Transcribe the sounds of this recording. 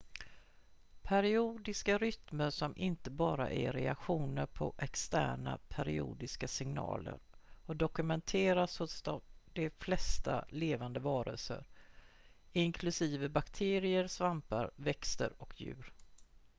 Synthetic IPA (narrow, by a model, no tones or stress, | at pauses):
pʰæɾɪuːd̪ɪskaɾʏt̪məɾʂɔmʔɪnt̪əbɑːɾa̰ʔæ̰ɾɛakɧuːnəɾpʰɔʔɛkst̪æ̰ːɳa̰pʰæɾɪṵːd̪ɪskasɪŋnɑ̰ːlə̰ɾɔd̪ɔkɵmɛnt̪ʰeːɾashʊsd̪ɔmd̪ɛflɛst̪a̰leːvand̪əvɑːɾə̰lsə̰ɾ | ɪŋkʰlɵsiːvəbakt̪ʰeːɾɪəɾsvampaɾvɛkst̪ə̰ɾɔkʰjʉ̟ːɾ